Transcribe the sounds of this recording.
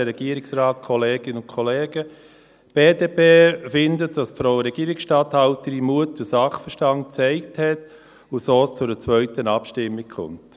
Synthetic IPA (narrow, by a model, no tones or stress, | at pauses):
əɾɛɡ̥iəɾɪksɾɑːt̚kʰɔleːɡ̥ɪnʊnkʰɔleːɡ̥ə | b̥eːdeːpeːfɪndətd̥ɑspfɾaʊəɾɛɡ̥iːɾɪksʃtɑːthɑʊtəɾimuətʊsɑχfəʃtɑnt̚t͡sɛɪkthɛt | ʊsoːst͡sʊdət͡svœʏtənɑpʃtɪmːɪkkʰχʊ̰nt